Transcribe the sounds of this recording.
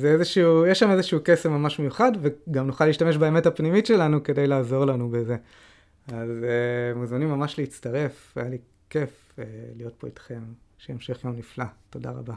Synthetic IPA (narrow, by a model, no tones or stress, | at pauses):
zeezeʃuujeʃamezeʃuukesemamaʃmejuχadveɡamnuχaliːʃtame̞ʃ̬baeme̞tapnimitʃelanuke̞de̞jlaːzo̞ʁlanubeze̞ | azemuzmanimːamaʃleitt͡staʁe̞f | ajali | ke̞f | elijo̞t̚po̞itχe̞mʃeemʃe̞χjo̞mniflato̞da̰ʁa̰ba